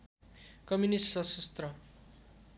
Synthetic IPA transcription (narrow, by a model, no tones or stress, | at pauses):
kʌmjunissʌsʌst̪rʌ